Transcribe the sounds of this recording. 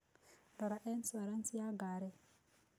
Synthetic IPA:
daɾaʔɛnsaɾansijaɡaːɾɛ

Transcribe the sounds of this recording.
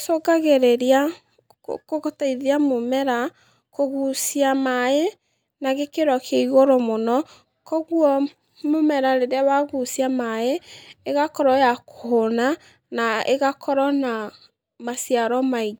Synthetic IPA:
soɡaɣeɾeɾia | koɣotaiðeamomɛɾa | koɣusiamae | naɣekeɾɔkʰeiɣoɾomonɔ | kɔɣuɔ | momɛɾaɾeɾeawaɣusijamaeeɣakɔɾɔjakoɦona | naḛɣakʰɔɾɔna | masiaɾɔmaiɡ

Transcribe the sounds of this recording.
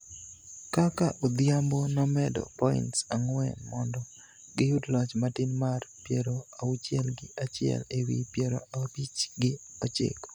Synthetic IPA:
kakaʔod̪ɪjambonɔmɛdɔ̰pɔɪ̰ntsaŋwɛ̰mɔndɔ | ɡɪjudlɔt͡ʃmatɪnmarpjeɾoaut͡ʃjɛlɡɪat͡ʃɪɛ̰lewḭpjɛɾoabit͡ʃɡɪɔt͡ʃɪ̰k

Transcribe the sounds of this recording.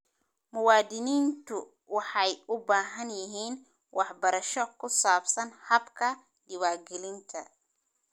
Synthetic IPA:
mʊwɑːd̪ɪniːnt̪ʰʊ | wɑħɑjʊbaːɦɐnjɪɦiːn | wʔɑħbɐɾɐʃɔkʰʊsaːbsɐnhɐbkʰɐ | d̪ɪwaːɡɛlɪnt̪ʰɐ

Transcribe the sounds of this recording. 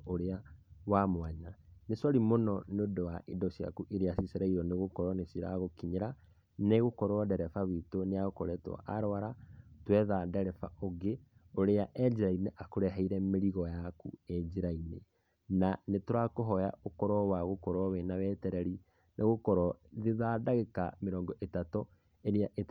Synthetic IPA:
oɾeawamwaɲanesɔɾimonɔneodowaʔedɔʃja̰kuʔeɾeasiseɾaiɾɔneɣokɔɾɔnesiɾa̰ɣokiɲeɾa | neɣokɔɾɔɔdɛɾɛfaβitoneaɣokɔɾɛtɔ̰ʔaɾwaɾatwɛðadɛɾɛfa̰ʔoɡeoɾeaʔɛd͡ʑeɾaineʔakoɾɛɦaiɾɛmeɾiɣɔjakṵed͡ʒeɾainḛ | nanetoɾakoɦɔja̰ʔokɔɾɔwaɣokɔɾɔβɛnaβɛtɛɾɛɾi | nʔeɣokɔɾɔðeðadaɣeka̰meɾɔːŋɡɔʔetatɔ | eɾeaʔe

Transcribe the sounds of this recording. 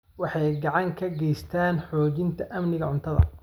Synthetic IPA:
wɑħɑjɡɑʕɑŋkʰɐɡɛjst̪ʰaːnħɔːt͡ʃɪnt̪ʰɐʔɐmnɪɣɐʕʊnt̪ʰɐðɐ̰

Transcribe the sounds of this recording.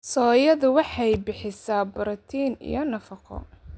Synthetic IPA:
sɔːjɐðʊwɑħɑjbɪħɪsaːbʊɾɐt̪ʰiːnḭjɞnɐfɑqʰɔ̰

